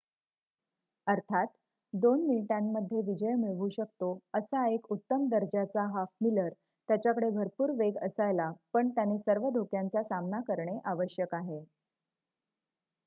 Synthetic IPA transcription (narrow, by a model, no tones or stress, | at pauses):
əɾt̪ʰat̪ | d̪onminiʈãmːəd̪ʱːjeʋid͡ʑəjmiɭɡuːɕək̚t̪oəsaekut̪ːəmd̪əɾd͡ʑat͡saɦafmiləɾ | t̪jat͡ɕjakəɽebʱəɾpuːɾʋeɡəsajlapəɳt̪janiːsəɾʋəd̪ʱokjãnt͡sasamnakəɾɳeʔaʋəɕjəkaɦe